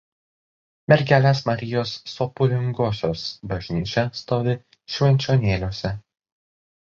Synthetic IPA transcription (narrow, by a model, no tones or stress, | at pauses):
mʲɛɾʲɡʲæːlʲeːsmɐɾʲɪjoːsːɔpʊlʲɪŋɡoːsʲoːsbɐʒʲnʲiːt͡ʃʲɛst̪oːʋʲɪ | ʃʲʋʲɛnʲt͡ʃʲoːnʲeːlʲoːsʲɛ